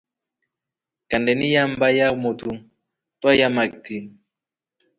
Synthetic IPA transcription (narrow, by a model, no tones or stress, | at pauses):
kandɛnijambajamot̪u | twajamak̚t̪i